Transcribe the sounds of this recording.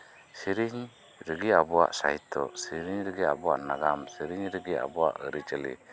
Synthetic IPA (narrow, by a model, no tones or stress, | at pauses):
siɾiɲ | ɾəɡiabua̰ʔsa̰jt̪ɔsiɾiɲɾəɡia̰buaʔnaɡamsiɾiɲɾəɡia̰bua̰ʔəɾit͡ʃəlḭ